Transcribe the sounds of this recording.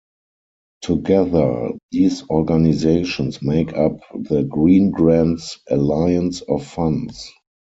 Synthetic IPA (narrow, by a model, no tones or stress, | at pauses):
tʰuɡɛðə˞ðiːsɔɹɡanizeɪʃɔ̃nsmeɪkʰap̚ðəɡɹĩːnɡɹãntsʔəlaɪə̃nsɔfːãns